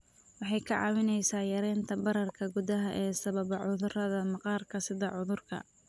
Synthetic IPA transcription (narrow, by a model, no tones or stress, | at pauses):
wɑħɑjkʰɐʕɑ̰ːwɪnɛjsaːjɐɾɛːnt̪ʰɐbɐɾɐrkʰɐɡʊðɐɦɐʔɛːsɐβɐβɐʕʊðʊrɐðɐmɑqɑːrkʰɐsɪðɐʕʊðʊrkʰɐ̰